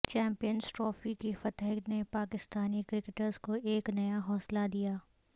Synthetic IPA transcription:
t͡ʃɛ̃ːmpijənzʈɾɔːfikifɐt̪nepaːkɪst̪aːnikɾɪkeʈəɾzkoʔeːknɐjaɦɔːslad̪ijaː

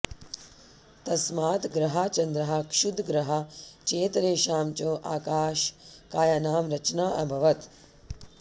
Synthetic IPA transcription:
t̪ɐsmaːt̪ɡɾɐɦat͡ʃɐnd̪ɾɐɦɐkʂud̪ʱɡɾɐɦɐt͡ʃeːt̪ɾeːʃaːmt͡ʃoːʔaːkaːʃkaːjɐnaːmɾɐt͡ʃnaːʔɐbʱɐʋɐt̪

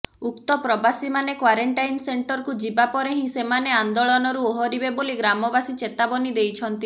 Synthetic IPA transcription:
ukt̪ɔpɾɔbasimanekwaɾeɳʈajnseɳʈɔɾɔkud͡ʒibapɔɾeɦĩsemaneand̪oɭɔnɔɾuoɦɔɾibeboliɡɾamɔbasit͡ʃet̪abɔnid̪ejt͡ʃʰɔnt̪i

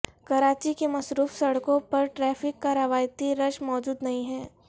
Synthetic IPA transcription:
kɐɾaːt͡ʃikemɐsɾuːfsɐɽkõpɐɾʈɾɛːfɪkːaɾɐʋaːjt̪iɾɐʃmɔːd͡ʒuːd̪nɐɦĩɦɛː

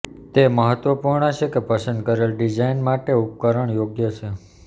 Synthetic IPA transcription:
t̪eməɦət̪ʋəpuɾɳət͡ʃʰekepəsənd̪kəɾelɖid͡ʒainmaʈeup̚kəɾəɳjoɡjət͡ʃʰe

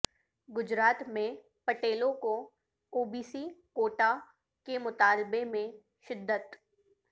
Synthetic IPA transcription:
ɡʊd͡ʒɾaːt̪mẽ | pɐʈeːlõko | oːbiːsikoːʈa | kemʊt̪aːlbemẽ | ʃɪd̪ːət̪

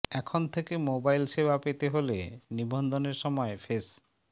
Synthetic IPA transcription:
ɛkʰont̪ʰekemobajlʃebapet̪eɦolḛnibond̪oneɾʃɔmɔefʰes

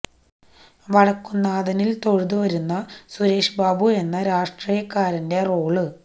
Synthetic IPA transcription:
ʋɐɽɐkːunːaːðɐnilt̪o̞ɻuðuʋɐɾunːɐsuɾe̞ːʂbaːbue̞nːɐɾaːʂʈriːjɐkːaːɾɐnde̞ro̞ːɭɨ

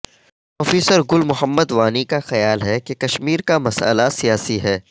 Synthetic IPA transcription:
ɔːfiːsəɾɡʊlmʊɦəmːəd̪ʋaːnikaxɐjaːlɦɛkekɐʃmiːɾkamɐsə̰lasijaːsiɦɛː

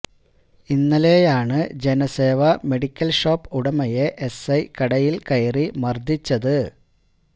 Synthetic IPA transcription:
inːɐle̞ːjaːɳɨd͡ʑe̞nɐse̞ːʋɐme̞ɽikʲːɐlʂo̞ːpːuɽɐmɐjeʔesɐjkɐɽɐjilkɐjɐrimɐrd̪ʱit͡ɕːɐðɨ

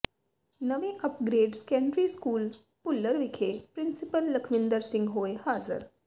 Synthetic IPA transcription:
nəʋẽʔəpɡɾeːɖskɛ̃ɳɖɾiːskuːl | pʊlːəɾʋikʰepɾɪnsipəlːəkʰʋind̪əɾsɪ̃ŋɡɦoːehaːzə̰ɾ

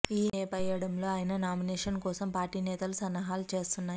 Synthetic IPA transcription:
iːeːpɐjɐɽɐmlo̞ːaːjnɐnaːmineːʂɐnkɔːsɐmpaːɾʈiːnɛːt̪ɐlusɐnːɐɦaːlut͡ʃe̞ːst̪unːaːj

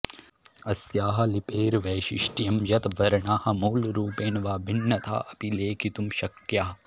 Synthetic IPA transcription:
ɐsjaːɦɐ̆lipeːɾʋeːʃḭʂʈijɐmjɐt̪ʋɐɾɐɳaːhɐmɐːlɾuːpeːnʋaːbʱinːɐt̪ʰa̰ːʔɐpileːkʰit̪umʃɐkjaːɐ

